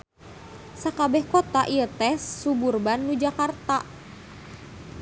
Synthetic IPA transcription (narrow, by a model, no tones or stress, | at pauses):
sakabɛhkot̪aʔiət̪ɛsːuburbanːud͡ʒakart̪a